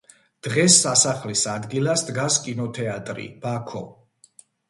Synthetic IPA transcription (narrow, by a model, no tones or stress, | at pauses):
d̪̥ʁɛsːasaχlisad̪ɡilasd̪ɡaskʼinɔt̪ʰɛat̪ʼɾḭb̥akʰɔ